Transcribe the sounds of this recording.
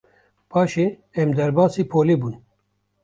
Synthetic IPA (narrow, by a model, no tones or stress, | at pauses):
pʰɑːʃe | ɛmd̪ɛɾbɑːsiːpʰoːleːbuːn